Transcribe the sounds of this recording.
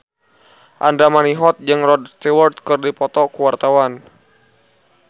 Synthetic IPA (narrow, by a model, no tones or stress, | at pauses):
ʔandamaniɦɔt̪̚d͡ʒɨŋrɔdst̪iwɔrt̪̚kɨrdipɔt̪ɔkuwart̪awan